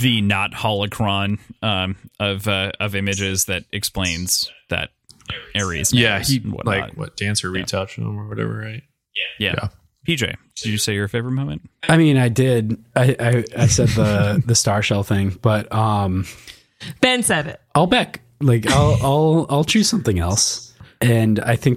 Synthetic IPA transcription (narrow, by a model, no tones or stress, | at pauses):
ðɨnət̚hɑlˠəkʰɹ̥ɑ̃nʔʌ̃mʌvʌʌvɪ̃mɨd͡ʒɪzðɨɾɨksplẽɪ̃nz̥ðɨ̰ɾ̚ | ɛɹḭzjæhiwʌ̰tlaɪkwʌ̰t̚d̥æ̃nsə˞witʰʌt͡ʃə˞wʌɾɛ̰və̰˞ɹaɪt̚ | jæjæ̰jæ̰ | pʰid͡ʒeɪ | d̥ɨd͡ʒɨseɪjə˞feɪvə˞ɨt̚mõʊ̃mɨ̃nt̚aɪmĩnaɪdɪd | aɪʔaɪaɪsɛd̪̚ðəðɨstɑɹʃɛlˠθɪ̃ŋb̥ʌt̚ʌ̃m | b̥æ̃nsɛɾɪ̰t̚aɪlˠbæk | laɪkaɪlˠaɪlˠaɪlˠt͡ʃʰʉ̥sʌ̃mθɪ̃ŋɛlˠsɨ̃na̰ɪθɪ̃ŋk̚